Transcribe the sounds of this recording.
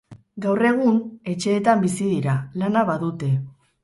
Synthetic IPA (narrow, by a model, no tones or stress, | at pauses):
ɡawre̞ɣ̞une̞t͡ʃe̞ːt̪ambisiðiɾalanaβaðut̪e̞